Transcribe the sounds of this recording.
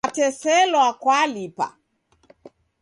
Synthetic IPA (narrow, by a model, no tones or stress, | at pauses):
tɛsɛlwakwalipa̰